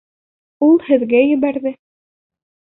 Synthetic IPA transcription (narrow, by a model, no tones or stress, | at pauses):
ulˠhɘ̆ðɡæjɘ̆βæɾðɘ